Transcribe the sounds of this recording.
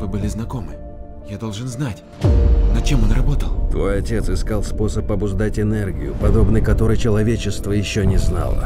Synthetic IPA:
vɨbɨlʲɪznɐko̞mɨ | jad̪o̞lˠʐɨnznatʲ | nɐt͡ɕemonrɐbo̞t̪əlˠt̪vo̞jɐtʲe̞t̪sɨskalˠspo̞səpɐbʊʐd̪atʲɪnɛrɡʲɪjʊ̰pɐd̪o̞bnɨjkɐt̪o̞ɾɨjt͡ɕɪlˠɐvʲet͡ɕɪst̪vəjɪɕːonʲɪzna̰lˠə̰

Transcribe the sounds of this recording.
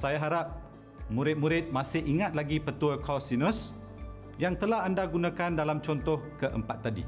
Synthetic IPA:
sajaɦaɾap̚ | mũɾɪt̪̚mũɾɪt̪̚mãsɪhiŋat̪̚laɡipət̪uəkʰasinɔs | jaŋt̪əlaɦandaɡunãkandalamt͡ʃɔnt̪ɔhkəʔə̰mpat̪ːadḭ

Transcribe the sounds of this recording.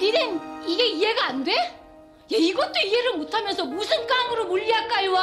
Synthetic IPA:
iɾeniɡe̞ie̞ɡaːnde̞ | jeiɡʌt̚t͈oie̞ɾɯɭmotʰamjʌnsʰʌmusʰɯnk͈aŋɯɾomuʎːiak͈aɭwa

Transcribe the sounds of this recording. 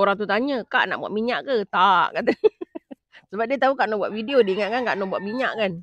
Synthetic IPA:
oɾaŋt̪̬ut̪aɲəka̰ʔnaʔbua̰ʔ̚miɲaʔkət̪aʔkat̪̬ə | səbap̚diət̪aɦukaʔnɔʔbuwaʔfidiodiŋankankaʔnɔʔbwaʔ̚miɲaʔkan

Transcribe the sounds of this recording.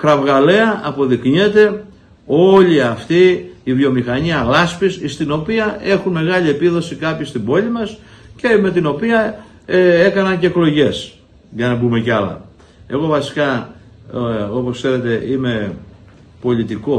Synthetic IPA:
kɾɐvɣɐle̞ɐʔɐpo̞ðikɲet̪e̞ | o̞liɐft̪iːvio̞mixɐɲiɐlɐspisist̪ino̞piɐe̞xunme̞ɣɐlie̞piðo̞sikɐpçist̪ibo̞lʲimɐsceme̞t̪ino̞piɐ | e̞kɐnɐnce̞ːklo̞ʝe̞s | ʝɐnɐbume̞cɐlɐ̰ | e̞ɣo̞vɐsi̥kɐ | o̞po̞skse̞ɾe̞t̪e̞ʔime̞ | po̞lʲit̪iko̞

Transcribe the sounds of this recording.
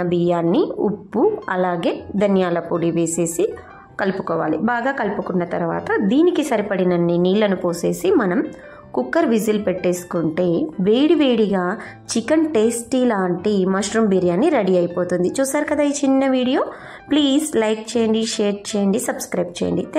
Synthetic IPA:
ɐbijaːnːiṵpːuɐlaːɡe̞ːd̪ɐnjaːlɐpoːɽiʋe̞ːse̞ːsi | kɐlpu̥kɔːʋa̰ːlibaːɡaːkɐlpukunːɐt̪ɐɾuʋa̰ːt̪ɐd̪iːnikisɐɾipɐɽinɐnːiniːlːɐnupoːse̞ːsimɐnɐm | kukːɐɾʋizilpeʈːe̞ːsu̥kuɳʈe̞ːʋeːɽiʋeːɽiɡaː | t͡ʃikɐnʈeːsʈilaːɳʈimɐʃɾumbiːɾijaːnːiɾɐɽiɐjipo̞ːt̪und̪it͡ʃuːsaːɾukɐd̪aːit͡ʃinːɐʋiːɽijo̞ː | pliːzlɐjk̚t͡ʃeːjɐɳɖiʃeːɾʈ̚t͡ʃeːjɐɳɖisɐbskɾɐjb̚t͡ʃḛjɐ̰ɳɖit̪

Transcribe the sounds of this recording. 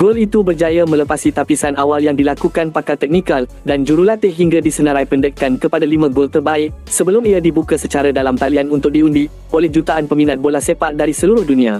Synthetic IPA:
ɡ̥olit̪ubərd͡ʒajamə̃ləpasit̪apisanawaljaŋdilakukanpakalt̪ɛk̚nĩkal | dand͡ʒuɾulat̪ɪɦiŋɡadisənə̃ɾajpəndəkkːankəpadalimãɡolt̪ərbaɪksəbəlʊmiadibukasət͡ʃaɾadalamp̪alianunt̪ʊk̚diundi | olɛhd͡ʒut̪aʔanpəmĩnãt̪̚bolasepat̪̚daɾisəluɾʊhdunĩa

